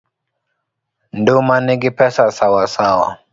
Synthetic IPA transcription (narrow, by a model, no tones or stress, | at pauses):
ndumaniɡipɛsasawasawa̰